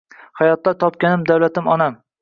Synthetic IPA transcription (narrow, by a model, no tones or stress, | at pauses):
hajɒt̪ːat̪ʰɒp̚kʲanɪmd̪awlat̪ɪmɒnam